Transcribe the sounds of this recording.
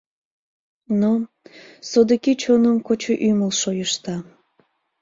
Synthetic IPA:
no | sod̪əkit͡ɕonəmkot͡ɕoʔyməlʃojəʃt̪ɑ

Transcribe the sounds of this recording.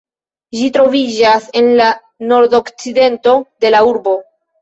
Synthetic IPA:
d͡ʒitɾo̞vid͡ʒase̞nla | no̞ɾdo̞kt͡side̞nto̞de̞lauɾbo̞

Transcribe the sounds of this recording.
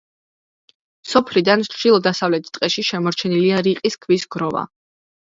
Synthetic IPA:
sɔpʰlid̪anʃʃʃilˠɔd̪asavlɛt̪ʰi̥qʼɛʃiʃɛmɔɾt͡ʃʰɛniliaɾiqʼiskʰvisɡɾɔva̰

